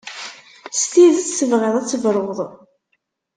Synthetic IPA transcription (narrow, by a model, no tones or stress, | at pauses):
st̪iðt͡ssəvʁeðˤæt͡sːəvɾˤʁðˤ